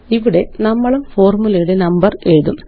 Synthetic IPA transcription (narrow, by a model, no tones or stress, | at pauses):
iʋiɽe̞nɐmːɐɭumfo̞ːrmulɐjuɽe̞nɐmbɐreɻðum